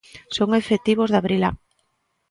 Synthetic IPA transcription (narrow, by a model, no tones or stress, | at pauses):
soŋefet̪iβozðaβɾila̰ŋ